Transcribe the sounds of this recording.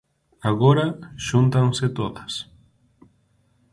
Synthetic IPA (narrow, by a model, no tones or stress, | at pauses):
aɣoɾaʃunt̪aŋset̪oðɐs